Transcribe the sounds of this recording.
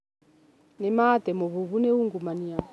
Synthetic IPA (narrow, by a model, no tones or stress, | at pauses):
nɛmaːt̪ɛmɔβuβuneuŋɡumania